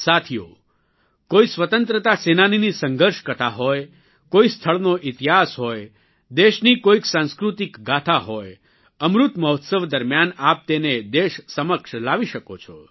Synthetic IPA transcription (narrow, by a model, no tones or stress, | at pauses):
sat̪ʰijo̰ | koisʋət̪ənt̪ɾət̪asenaninisəŋɡəɾʃkət̪ʰaɦɔj | koist̪ʰəɭnoʔɪt̪iɦasɦɔj | d̪eʃnikoiksãnskɾut̪ikɡʱat̪ʰaɦoj | əmɾut̪məɦot̪səʋd̪əɾmjanap̚t̪ened̪eʃsəməkʃlaʋiʃəkot͡ʃʰɔ̰